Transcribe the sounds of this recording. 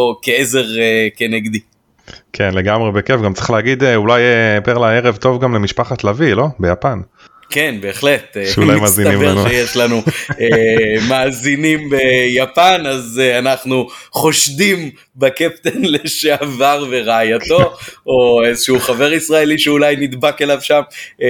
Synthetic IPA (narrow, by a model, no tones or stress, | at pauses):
okeeze̞ʁekeneɡd̪i | kʰenleɡamʁebekefɡamt͡sʁi̥χlehaɡid̪eulajepeʁlaeʁevt̪o̞vɡamlemiʃpaχat̪lavilo̞bejapan | kenbe̞ːχle̞t̪eulajmazinimanʃejeʃlanuemaːzinimbe̞japanazeanaχnuχo̞ʃdim | bakep̚t̪enle̞ʃeavaʁve̞ʁaːjat̪o̞oezeʃeuχave̞ʁisʁae̞liʃeulajnid̪bake̞lavʃam